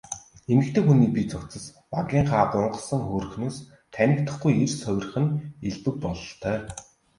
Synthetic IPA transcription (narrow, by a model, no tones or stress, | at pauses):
emɘ̆kt̪ʰeːxuniːpʲit͡sɔkt͡sə̆s | paɣʲiːɴχaːɢʊɴɢɞ̆sə̆ŋxoːrɵ̆xnoːs | t̪ʰænʲɪ̆kt̪ə̆χɡujersœwʲɪ̆r̆χɘ̆neɮp̪ɘ̆k̚pɔɮɞ̆ɬt̪ʰœː